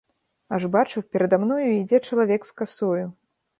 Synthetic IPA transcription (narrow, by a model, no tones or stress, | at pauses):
aʐbat͡ʂɨwpʲɛɾɐd̪amnɔjuid͡zʲɛt͡ʂɐlˠavʲɛkskasɔju